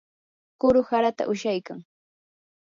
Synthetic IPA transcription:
kʊɾʊhaɾat̪a̰ʔʊʃajkaŋ

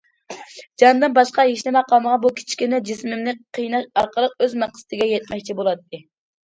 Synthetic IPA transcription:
d͡ʒɑnd̪ɨnbɑʃqɑjeʃlɪmɛqʰɑlˠnəʁɑbukʲʰi̥t͡ʃʰkʲinɛd͡ʒismɪmnɪqʰijnɑʃɑɾqʰəlˠəq̚øzmæqst̪ɪɡʲɛjɛt̪̚mɛkʲt͡ʃʰibolˠɑt̪ːɨ

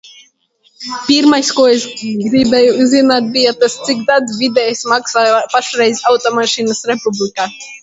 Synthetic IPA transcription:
pʲiɾmajskuɔesɡɾibɛjuzzinaːt̪̚bijat̪ast̪sikd̪ad̪vid̪ɛjsmaksaːjpaʃɾɛjzʲawt̪ɔmaʃinəsɾepublikaː

